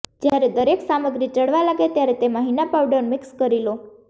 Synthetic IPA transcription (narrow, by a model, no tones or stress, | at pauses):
d͡ʒjaɾed̪əɾeksaməɡɾit͡ʃəɽʋalaɡet̪jaɾet̪eməɦinapawɖəɾmɪkskəɾilo